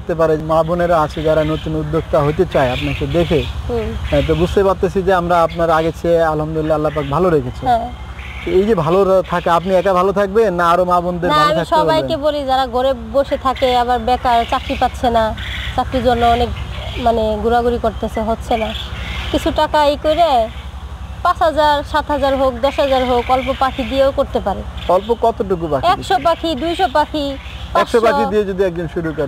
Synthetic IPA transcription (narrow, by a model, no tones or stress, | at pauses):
k̚t̪ep̬aɾemaboneɾat͡ɕʰed͡ʑaɾanot̪unud̪ːokt̪aɦojt̪et͡ɕaeapnaked̪ekʰeɦɛ̃t̪̬obud͡ʑʱt̪epaɾt̪et͡ɕʰid͡ʑeamɾaapnaɾaɡet͡ɕʰealɦamd̪ulilːaalːap̬ak̚bʱaloɾekʰet͡ɕʰiɦɛ̃ | t̪oejd͡ʑebʱalot̪ʰakeapniɛkabʱalot̪ʰak̚beːaaɾomabond̪eɾnʱaameakʃeɔpaajekebolid͡ʑaɾaɡoɾeboʃet̪ʰakeabaɾbɛkaɾt͡ɕakɾipat̪ːɕʰenat͡ɕakɾid͡ʑonːoɔnekmaneɡuɾaɡuɾikoɾt̪esʰeɦotːɕʰenakit͡ɕʰuʈakajkojɾe | pat͡ɕɦad͡ʑaɾʃat̪ɦad͡ʑaɾɦok̚d̪ɔʃɦad͡ʑaɾɦokɔlpopakʰid̪ieokoɾt̪epaɾeɔlpokɔt̪oʈuk̬upakɛʃɔp̬akʰid̪ujʃɔpakʰi | pakʃopaiied͡ʑod̪iɛk̚d͡ʑonʃuɾukɔɾe